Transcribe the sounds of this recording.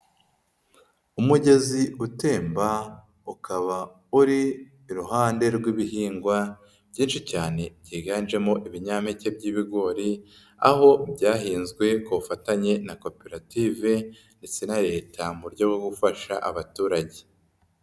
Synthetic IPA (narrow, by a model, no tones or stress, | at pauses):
umuɟe̞ziute̞ːmba | ukʰaβa | uɾiː | ɾuɦaːnde̞ɾɡwiβihiːŋɡwa | b̥ɟiːnʃicaːne̞ɟiːɡanʒe̞mo̞ʔiβiɲaːmece̞b̚ɟiːβiɡo̞ːɾi | a̰ho̞bɟaːɦiːnzɡwe̞koβufataɲe̞nako̞peɾatiːve̞ | ndet͡se̞naɾe̞ːtʰamuɾɟo̞ɡoɡufaʃaʔaβatuːɾaɟe̞